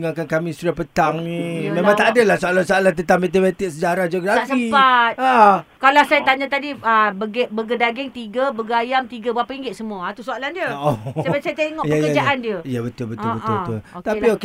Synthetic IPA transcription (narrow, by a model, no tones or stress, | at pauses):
ŋakankamĩsudahpət̪aŋnĩmẽmãŋt̪aʔːdəlahsoalansoalant̪ənt̪amet̪ibat̪ɪk̚səd͡ʒaɾahd͡ʒoɡɾafəipat̪̚akalawsajat̪aɲãt̪adiəbəɡeʔbəɡədaɡɪŋt̪iɡabəɡajamt̪iɡabapaiŋɡɪtʔ̪̚səmuat̪usoalandiəʔosabasajat̪eŋɔʔjəajkəad͡ʒaʔandiəjabət̪ʊlbətʊlbəʊlbət̪ʊlot̪apiok